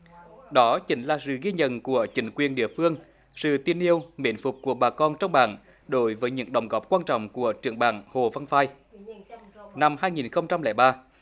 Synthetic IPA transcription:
ɗɔ˨˦t͡ɕï˨˦ŋ̟laː˨˩sɨ̰˧˨ɣi˧ɲə̰˧˨nku˧˩ət͡ɕï˨˦ŋ̟kwi˨˩ənɗḭ˧˨əfɨ˧əŋ | sɨ̰˧˨t̪i˧ənʔi˧əwmḭ˨˦nfʊ˨˩k͡p̚ku˧˩əɓaː˨˩kɔ˧nt͡ɕɔ˧wŋ͡mɓa̰ː˧˨n | ɗo˨˦jvəː˨˦jɲɨ̰˧˥ŋɗə̰˨˧˩wŋ͡mɣɔ˨˦˥p̚kwaː˧nt͡ɕɔ̰˧˨wŋ͡mku˧˩ət͡ɕɨ˧˩əŋɓa̰ː˧˩nho˨˩va˧nfaː˧j | na˧mhaː˧jŋi˨˩nxə˧wŋ͡mt͡ɕa˧mlɛː˧˩jɓaː˧

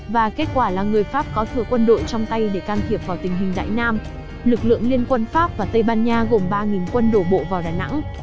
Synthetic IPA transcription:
vaː˨˩ke˦˥t̚kwaː˧˩laː˨˩ŋɨ˨˩əjfaː˦˥p̚kɔ˨˦t̪ʰɨ˨˩əkwə˧nɗo̰˧˨jt͡ɕɔ˧wŋ͡mt̪a˧jɗe˧˩kaː˧nt̪ʰi˨˩əp̚vaː˨˩wt̪ï˨˩ŋ̟ɦi˨˩ŋ̟ɗa̰ː˧˨jnaː˧m | lɨ˨˩k̚lɨ̰˧˨əŋli˧ənkwə˧nfaː˦˥p̚vaː˨˩t̪ə˧jɓaː˧nɲaː˧ɣo˨˩mɓaː˧ŋi˨˩nkwə˧nɗo˧˩ɓo̰˧˨vaː˨˩wɗaː˨˩na̰˧˥ŋ

